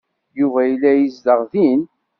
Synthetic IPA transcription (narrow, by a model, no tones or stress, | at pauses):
juvæjlːæjəzd̪əʁðin